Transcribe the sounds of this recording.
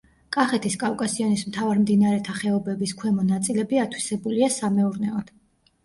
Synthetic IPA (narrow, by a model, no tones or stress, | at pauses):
kʼaχɛt̪ʰiskʼavkʼasiɔnismt̪ʰavaɾmd̪inaɾɛt̪ʰaχɛɔbɛbiskʰwɛmɔnat̪sʼilɛbiat̪ʰwisɛbuliasamɛuɾnɛɔd̪̥